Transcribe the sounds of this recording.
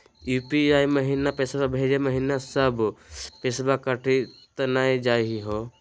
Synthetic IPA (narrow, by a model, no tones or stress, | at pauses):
juːpiaːjməɦinapeːsbabʱeːd͡ʒeməɦinasəbpesbakəʈʰit̪ɐnaːid͡ʒaːjɦiɦoː